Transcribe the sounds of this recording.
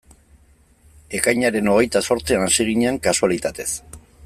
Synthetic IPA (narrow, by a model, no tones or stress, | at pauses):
e̞kajɲaɾe̞no̞ɣ̞e̞jt̪aso̞ɾt͡sianasiɣiɲeaŋkasualit̪at̪e̞s